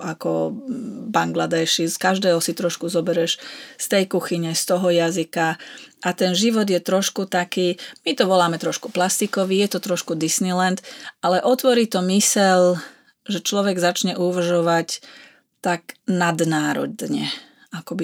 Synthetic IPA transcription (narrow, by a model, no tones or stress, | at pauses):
ʔakɔ | baŋɡlad̪ɛːʃiskaʒd̪ɛːɦɔsit̪ɾɔʃkuzɔbɛɾɛʃst̪ɛjkuxiɲɛst̪ɔɦɔjazikaʔat̪ɛnʒiʋɔd̪jɛt̪ɾɔʃkut̪akiːmit̪ɔʋɔlaːmɛt̪ɾɔʃku̥plast̪ikɔʋiːjɛt̪ɔt̪ɾɔʃkud̪isnilɛnt̪ʔalɛʔɔt̪ʋɔɾiːt̪ɔmisɛʎ | ʒɛt͡ʃlɔʋɛɡzat͡ʃɲɛʔuʋr̩ʒɔʋac | t̪aɡnad̪naːɾɔ̰d̪ɲɛ | akɔbi